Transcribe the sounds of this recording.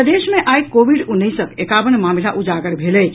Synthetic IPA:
əd̪eːʃmẽʔajkoʋiɖʊnːisəkekaːʋənmaːmilaʔʊd͡ʒaːɡəɾbʱeːlə

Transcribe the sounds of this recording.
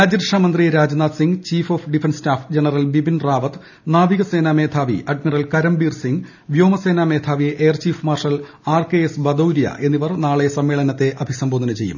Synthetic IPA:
ɾaːd͡ʑiɾʂaːmɐnd̪rijeɾaːd͡ʑɐnaːt̪siŋɡt͡ɕiːfoːfɖifenstaːfd͡ʑenɐrɐlbibinraːʋɐt̪ | naːʋiɣɐse̞ːname̞ːd̪ʱʰaːʋḭʔɐɖmirɐlkɐɾɐmbiːrsiŋɡ | ʋjo̞ːmɐse̞ːname̞ːd̪ʱʰaːʋiʔeːrt͡ɕiːfmaːrʂɐl | aːrkeːesbɐd̪owɾijɐ̰ʔe̞nːiʋɐrnaːɭesɐmːeːɭɐnɐt̪ːe̞ʔɐbʱisɐmboːd̪ɐnɐt͡ɕe̞jːṵm

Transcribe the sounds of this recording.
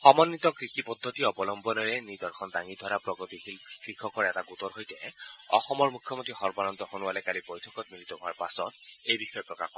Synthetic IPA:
xɔmanːitɔkɹixipɔdʱːɔtiɔbɔlɔmbɔnɔɹɛnid̪ɔɹkʰɔndaŋidʱɔaɹapɹɔɡɔtixilkɹikʰɔkɔɹɛɛtaɡutɔɹɦojtɛɔ̰xɔmɔɹmukʰjɔmotɹixɔɹbanɔntɔxonuwalɛkalibojtʰɔkɔt̚militɔɦʊaɹpasɔ̰t̚ejbixɔjɔpɹɔkaxkɔɛ

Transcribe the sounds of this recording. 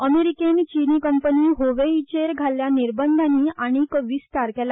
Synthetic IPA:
əmeɾikenit͡ɕiniːkəmpəniːɦoʋeit͡ɕeɾɡʱaljaniɾbənd̪ʱanːiːaɽ̃ikəʋiːsʈ̪aɾkɛla

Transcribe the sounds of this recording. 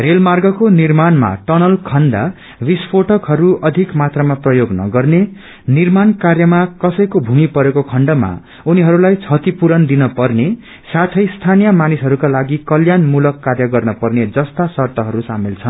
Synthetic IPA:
relmarɡʌkonirmanma̰ʈʌnʌlkʰʌnd̪a̰ | bispʰoʈʌkɦʌɾuʌd̪ʱikmat̪ramaprʌjoɡnʌ̰ɡʌrne | nirmankarjʌmakʌsʌjkobʱumipʌɾekokʰʌɳɖʌma̰ | uniɦʌɾulajt͡sʰʌt̪ipuɾʌnd̪inʌpʌrne | sat̪ʰʌjst̪ʰanijʌmanisɦʌɾukalaɡikʌljanmulʌkːarjʌɡʌrnʌpʌrned͡zʌst̪asʌrt̪ʌɦʌɾusamilt͡sʰʌn

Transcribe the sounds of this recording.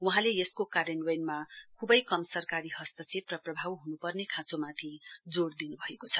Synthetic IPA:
wuɦãleeskokaɾʌnwʌjnmakʰubʌjkʌmsʌrkaɾiɦʌst̪ʌt͡sʰeprʌprʌbʱawɦunupʌrnekʰãt͡somat̪ʰid͡zoɽd̪inubʱʌekot͡sʰʌ

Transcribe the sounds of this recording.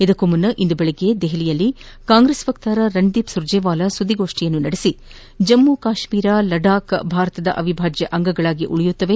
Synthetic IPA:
id̪ɐkːomɐnːɐʔind̪ubeɭeɡe̞d̪eɦilijɐlːi | kaːŋɡɾesʋɐk̚t̪aːɾɐɾɐɳd̪iːpsuɾd͡ʒɛːʋaːlɐsud̪ːiɡo̞ːʂʈijɐnːunɐɽesi | d͡ʒɐmːukaːʃmiːɾalɐɖaːkbʱaːɾɐt̪ɐd̪ɐ̰ʔɐʋibʱaːd͡ʒjɐʔɐŋɡɐɡɐɭaːɡiʔuɭijut̪ːɐʋe̞

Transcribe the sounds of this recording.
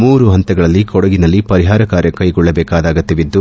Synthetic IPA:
muːɾuɦɐnt̪ɐɡɐɭɐlːikɔɽɐɡinɐlːipɐɾiɦaːɾɐkaːɾjɐkɐjɡɔɭːɐbɛːkaːd̪aːɡɐt̪ːɐʋid̪ːu

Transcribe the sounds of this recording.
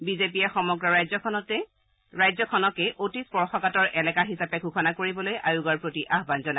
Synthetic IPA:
bizepijɛxɔmɔɡɹɔɹajzɔkʰɔnɔtɛ | ɹajzɔkʰɔnɔkeʔotispɔɹxɔkatɔɹʔɛlɛkaɦisapɛɡʱukʰɔnakoɹibɔlojʔajuɡaɹpɹotiʔaɦbanzɔna

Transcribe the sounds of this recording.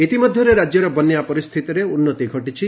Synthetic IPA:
it̪imɔd̪ʱjɔɾeɾad͡ʒjɔɾɔbɔnːjapɔɾist̪ʰit̪iɾeunːɔt̪iɡʱɔʈit͡ʃʰi

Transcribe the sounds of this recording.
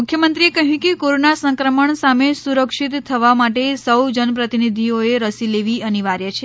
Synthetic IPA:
mukʰjəmənt̪ɾiekəɦjũkekoɾonasə̃ŋkɾəməɳsamesuɾəkʂit̪ʰːəʋamaʈesəwd͡ʒənəpɾət̪inid̪ʱioeɾəsileʋiəniʋaɾjət͡ʃʰe

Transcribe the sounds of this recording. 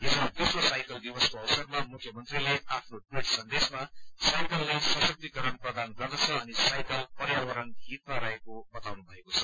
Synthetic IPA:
ɦid͡zʌd̪usrosajkʌld̪ibʌskoʌwsʌrmamukʰjʌmʌnt̪rileapʰnoʈwiʈsʌnd̪esmasajkʌlːesʌ̃sʌk̚t̪ikʌɾʌnprʌd̪anɡʌrd̪ʌt͡sʰʌʌnisajkʌlpʌɾjawʌɾʌnɦit̪̚maɾʌɦekobʌt̪awnubʱʌekot͡sʰʌ̥

